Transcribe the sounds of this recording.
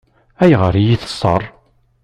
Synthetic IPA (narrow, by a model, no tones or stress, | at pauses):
æjʁəɾjiθə̥sˤːə̰rˤ